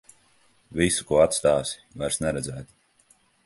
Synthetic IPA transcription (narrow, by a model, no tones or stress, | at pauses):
visu̥kuɔat̪st̪aːsi̥vaɾsnɛɾɛd̪zæːt̪